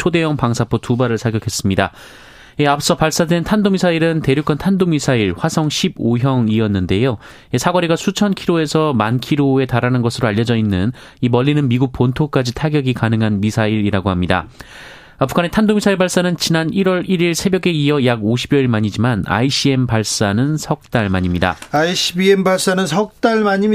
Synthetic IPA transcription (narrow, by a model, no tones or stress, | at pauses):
t͡ɕʰode̞jʌŋpaŋsʰapʰotubaɾɯɭsʰaɡjʌkʰe̞s͈ɯmɲida̰ | jeap̚ʰs͈ʌpaɭs͈adwe̞ntʰandomisʰaiɾɯnte̞ɾjok͈ʌntʰandomisʰaiɭɸwasʰʌŋɕʰiboɦjʌŋiʌnːɯnde̞jo | esʰaɡʌɾiɡasʰut͡ɕʰʌnkʰiɾoe̞sʰʌmankʰiɾoe̞taɾanɯnɡʌsʰɯɾoaʎːʌd͡ʑʌinːɯn | imʌʎːinɯnmiɡuk̚pontʰok͈ad͡ʑitʰaɡjʌɡikanɯŋɦanmisʰaiɾiɾaɡohamɲida̰ | apʰu̥kʰane̞tʰandomisʰaiɭbaɭs͈anɯnt͡ɕinaniɾwʌɾiɾiɭsʰe̞bjʌɡe̞iʌjaɡoɕʰibjʌiɭmaɲid͡ʑimana̰iɕ͈ie̞mpaɭs͈anɯnsʰʌk̚t͈aɭmaɲimɲida̰aiɕibiembaɭs͈anɯnsʰʌk̚t͈aɭmaɲi